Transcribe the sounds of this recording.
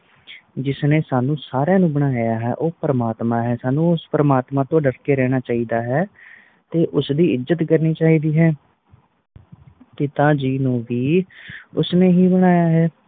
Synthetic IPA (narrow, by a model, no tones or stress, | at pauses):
d͡ʒɪsneːsaːnũːsaːɾãːnũːbəɽ̃aːjaːɦɛ̰ːʔoːpəɾəmaːt̪mãːɦɛːsaːnũːʊspəɾəmaːt̪mãːt̪õːɖəɽkeːɾɛːɽ̃aːt͡ʃaːiːd̪aːɦɛː | t̪eːʔʊsd̪iːɪzːət̪kəɾniːt͡ʃaːiːd̪iːɦɛː | t̪eːt̪ãːd͡ʒiːnũːʋiːʊsneːɦiːbəɽ̃aːjaːɦɛː